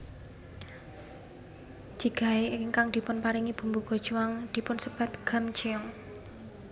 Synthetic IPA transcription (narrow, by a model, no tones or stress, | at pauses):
ʒ̥iɡ̥a̤eŋkaŋd̪̥i̤pʊnpaɾiŋib̥ṳmbuɡ̥o̤d̥ʒ̥uwaŋd̪̥i̤pʊnsəb̥a̤t̪̚ɡ̥a̤md͡ʒiɔŋ